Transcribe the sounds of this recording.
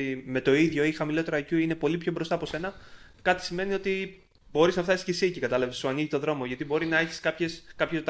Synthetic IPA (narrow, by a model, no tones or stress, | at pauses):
me̞t̪o̞iðʝo̞ixɐmilo̞t̪e̞ɾɐcuine̞po̞lipçobɾo̞st̪ɐpo̞se̞nɐ | kɐt̪i̥sime̞nio̞t̪i | bo̞ɾiznɐft̪ɐsi̥scesicikɐt̪ɐlɐvesuɐniʝit̪o̞ðɾo̞moʝɐt̪ibo̞ɾinɐe̞çi̥skɐpçe̞skɐpçet̪